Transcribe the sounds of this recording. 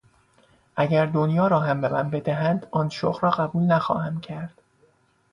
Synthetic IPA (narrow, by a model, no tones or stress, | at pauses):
ʔæɟæɾd̪onjɒːɾɒːɦæmbe̞mæ̰mbe̞d̪æɦænd̪ɒːnʃo̰ɣɾɒːɣæbuːlnæxɒ̰ːhæmcʰæɾd̪̥